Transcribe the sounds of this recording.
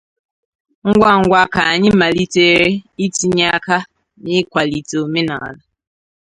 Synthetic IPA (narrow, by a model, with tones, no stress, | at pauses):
ŋ̩˦ɡʷa˦˨ŋ̩˨˦ɡʷa˦ka˨a˨ɲɪ˦ma˨li˦te˦˨ɾe˦i˦ti˦ɲa˦ka˦ | nɪ˦kʷa˨li˨to˨me˦na̰˨a̰˨la˦